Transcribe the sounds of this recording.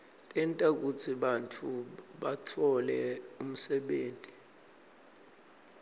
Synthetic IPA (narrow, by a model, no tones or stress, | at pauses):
tʼɛntʼak̬ut͡sʰiɓantʰuɓatʰɔlɛum̩sɛɓeːntʼi̥